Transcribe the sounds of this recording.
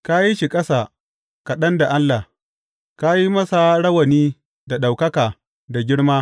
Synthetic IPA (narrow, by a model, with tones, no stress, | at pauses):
ka˦ji˦ʃi˨kʼɐ˦sa˨ | kɐ˨ɗɐ˦nda˨ʔa˦lːa˨ | ka˦ji˦mɐ˦sa˨ɽɐ˦wɐ˨niː˦ | da˨ɗa˨wkɐ˦kaː˨ | da˨ɡʲɪ˦ɽmaː˦